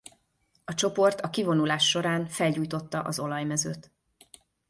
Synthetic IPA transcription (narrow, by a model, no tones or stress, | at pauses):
ɒt͡ʃo̞po̞rt̪ɒkivo̞nulaːʃːo̞ɾaːnfɛlɟuːjt̪o̞t̪ːɒʔɒzo̞lɒjmɛzøːt̪